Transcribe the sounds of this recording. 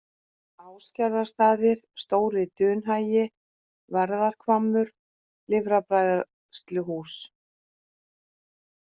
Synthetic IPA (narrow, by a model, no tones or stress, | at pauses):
aːwscaɾðast̪aːðɪɾ̥st̪oːwɾɪt̪ʏːnɦaːjɪ | vaɾðaɾ̥kʰvamːʏɾ̥ | lɪvɾapɾajða | st̪lʏhuːs